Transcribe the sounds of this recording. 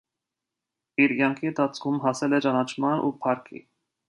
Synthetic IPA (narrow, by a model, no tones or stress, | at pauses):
iɾkjɑŋkʰiənt̪ʰɑt͡sʰkʰumɦɑsɛlɛt͡ʃɑnɑt͡ʃʰmɑnʔṵpʰɑɾkʰḭ